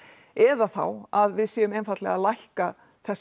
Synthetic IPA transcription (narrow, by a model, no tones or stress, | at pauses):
ɛðaθa̰waðvɪðsjɛːðʏmɛjnfat̪lɛ̰ɣalajhka | θɛs